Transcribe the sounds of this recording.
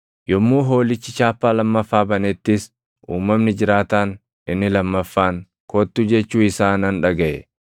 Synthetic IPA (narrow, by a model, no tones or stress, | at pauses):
jɔmːuːɦo̞ːlɪt͡ʃːɪt͡ʃaːpːaːlɐmːɐfːaːbɐnɛt̪ːɪs | ʔuːmːɐmnɪd͡ʒɪɾaːt̪aːn | ɪnːɪlɐmːɐfːaːŋ | koːt̪ːuːd͡ʒɛt͡ʃːuːɪsaːnɐnᶑɐɡɐʔɛ